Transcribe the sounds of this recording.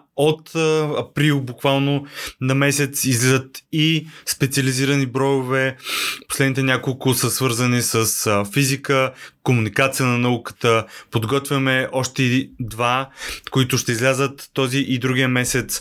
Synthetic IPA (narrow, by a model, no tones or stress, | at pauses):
ot̪ɐpɾilˠbukvalˠnonɐmɛsɛt̪sizlʲɛzət̪ispɛt̪siəliziɾənibɾɔjʊvɛposlɛd̪nit̪ɛnʲakolˠkʊsəsvɤɾzənisəsfizikəkomunikat̪sijənɐnɐukə̥t̪əpod̪ɡɔt̪vʲjɐmɛʔɔʃt̪ɛid̪vakoit̪ʊʃt̪ɛizlʲazət̪ːɔziʔid̪ɾuɡʲiəmɛsɛt̪s